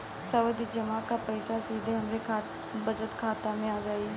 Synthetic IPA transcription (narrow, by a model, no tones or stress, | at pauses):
səʋəd̪iːd͡ʒəmaːkaːpəɪsasiːd̪ʱeɦəmɾekʰː | bəd͡ʒət̪kʰaːt̪amẽaːd͡ʒaːiː